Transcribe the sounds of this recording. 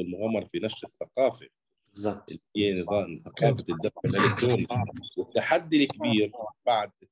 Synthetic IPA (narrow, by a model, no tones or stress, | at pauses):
ɪlmʊɣaːmːɑɾˤɑfinaʃɾɪθːaqɑːfa | ʔɪlɪjːnðɑθaqɑːfad̪ːaɪlʔɪlɪk̚t̪ɾuːniwɪt̪ːaħad̪ːilkbiːɾbaʕd̪